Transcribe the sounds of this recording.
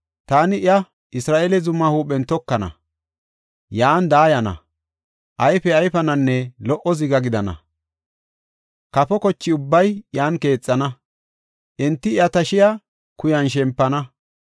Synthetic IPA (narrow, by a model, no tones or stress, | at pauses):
t̪aːnɪɪjɐ | ʔɪsɾaːʔɛlɛzʊmːɐhuːpɛnt̪ɔkːɐnɐ̰ | jaːnd̪aːjɐnɐ̰ | ʔɐjfɛɐjfɐnɐnːɛlɔʔɔzɪɡɐɡɪd̪ɐnɐ̰ | kɐpɔkɔt͡ʃːɪʊbːɐjjaːnke̞ːt͡sʼːɐnɐ | ʔɛnt̪ːɪɪjɐt̪ɐʃɪja | kʊjɐnʃ̬ɛmpːɐnɐ